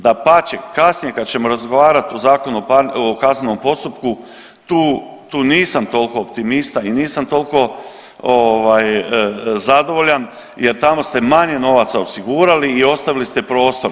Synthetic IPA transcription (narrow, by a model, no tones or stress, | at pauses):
d̪apat͡ɕekasnije̞kad̪̚t͡ɕe̞mo̞ɾazɡo̞ʋaːɾat̪ozaːko̞nupaokaznenompo̞st̪upku | t̪uː | t̪uːniːsamt̪o̞lko̞ːp̚t̪imist̪ainiːsamt̪o̞lko̞ | oʋaj | zad̪o̞ʋo̞ʎan | jeɾt̪amo̞st̪e̞maɲe̞no̞ʋat̪saosiɡuːɾaliːo̞st̪aʋilist̪e̞pɾo̞ːst̪o̞ɾ